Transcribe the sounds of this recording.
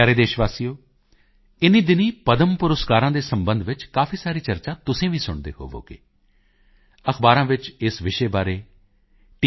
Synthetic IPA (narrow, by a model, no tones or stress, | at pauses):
aːɾeːd̪eːʃʋaːsijoː | ɪnːiːd̪ɪniːpəd̪əmpʊɾəskaːɾãːd̪eːsəmbənd̪ʋɪt͡ʃkaːpʰiːsaːɾiːt͡ʃəɾt͡ʃaːt̪ʊsẽːʋiːsʊɳd̪ḛːɦo̰ːʋo̰ːkḛː | əxbaːɾãːʋɪt͡ʃɪsʋɪʃeːbaːɾeː | ʈ